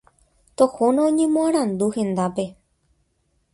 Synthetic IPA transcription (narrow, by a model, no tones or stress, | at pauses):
t̪ohõnãõɲẽ̞mõãɾ̃ãnd̪uhẽ̞nd̪ape̞